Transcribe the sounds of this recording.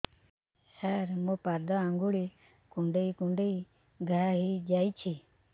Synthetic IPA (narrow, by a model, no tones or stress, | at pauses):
səːɾmõːpaːd̪aːãːŋɡuːɭiː | kũːɳɖeiːkũɳɖeiː | ɡʱaɦiːd͡ʒaːiːt͡ʃʰiː